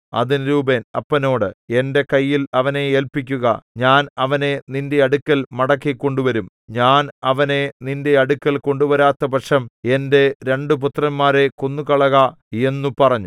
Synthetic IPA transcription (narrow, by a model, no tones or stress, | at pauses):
ɐ̰ðinɾuːbenɐpːɐno̞ːɽɨe̞nde̞kɐjːilɐʋɐne̞eːlpikʲːuɣɐɲaːnɐʋɐne̞ninde̞ɐɽukʲːɐlmɐɽɐkːikːo̞ɳɖuʋɐɾum | ɲaːnɐʋɐne̞ninde̞ɐɽukːɐlko̞ɳɖuʋɐɾaːt̪ːɐpɐʈʂɐme̞nde̞ɾe̞ɳɖup̬ut̪rɐnmaːɾe̞konːukɐɭɐɣɐ | e̞nːupɐrɐɲːu